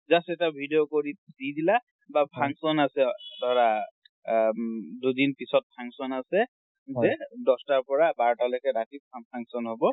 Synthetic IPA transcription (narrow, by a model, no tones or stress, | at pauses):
zasɛtabʱidiokoɹiz̥idila | bapʰaŋsɔnasɛdɔɹa | dudinpisɔt̚pʰaŋsɔnasɛ | ɛdɔstaɹpɔɹabaɹɔtalɔkɛɹatipʰapʰaŋsɔnɦobɔ